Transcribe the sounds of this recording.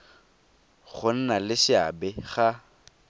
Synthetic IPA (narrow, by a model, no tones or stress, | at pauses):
χʊn̩nalɪʃɪa̰bɛχa